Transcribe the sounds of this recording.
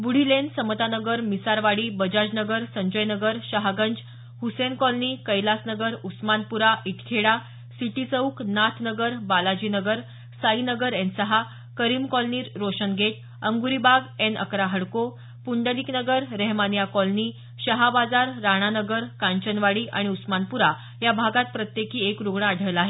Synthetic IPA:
buɽ̤ilensəmət̪anəɡəɾmisaɾʋaɽiːbəd͡ʑad͡ʑnəɡəɾsəɲd͡ʑəjnəɡəɾɕəɦaɡəɲd͡ʑ | husenkɔlnikəjlasnəɡəɾusmanpuɾaʔiʈkʰeɽa | siʈisəuknat̪ʰnəɡəɾbalad͡ʑinəɡəɾ | sainəɡəɾɛẽnsəɦa | kəɾiːmkɔlniːɾːoɕənɡʱeʈ̪̚ | əŋɡuɾibʱaɡenə̰kɾaɦəɽko | puɳɖəliknəɡəɾːɛɦmanjakɔlni | ɕəɦabad͡zaɾːaɽ̃anəɡəɾkaɲt͡ɕənʋaɽiːʔaɽ̃iusmanpuɾa | jabʱaɡat̪̚pɾət̪jekiːekɾuɡɳaːɖ̤ʱəjlaɦe

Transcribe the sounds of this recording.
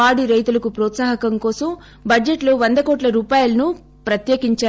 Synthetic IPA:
aːɽiɾɐjt̪ulɐkupɾɔːt̪saːɦɐkɐmkɔːsɐm | bɐd͡ʒeʈloʋɐnd̪ɐkɔːʈlɐɾuːpaːjulɐnu | pɾɐt̪jeːkiɲt͡ʃaː

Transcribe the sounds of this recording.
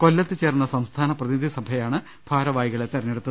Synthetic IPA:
ko̞lːɐt̪ːɨt͡ɕeːrnːɐsɐmst̪ʰaːnɐprɐðinid̪ʱisɐbʱɐjaːɳɨ | b̥ʱaːɾɐʋaːjiɣɐɭet̪ːɐrɐɲːeɽut̪ːɐð

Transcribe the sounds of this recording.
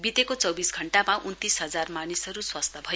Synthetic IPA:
bit̪ekot͡sʌwbisɡʱʌɳʈamaunt̪isɦʌd͡zarmanisʌɾuswʌst̪ʰʌbʱʌ

